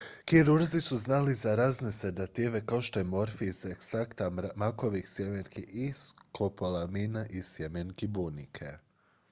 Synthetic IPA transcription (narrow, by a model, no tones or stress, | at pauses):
kiɾuɾzisuznalizaɾaːzne̞sed̪at̪iʋe̞kao̞ʃt̪o̞jemo̞ɾfiizekst̪ɾakt̪amako̞ʋixsjemenkiʔiskʰopolaminaʔisjemenkibunikʰe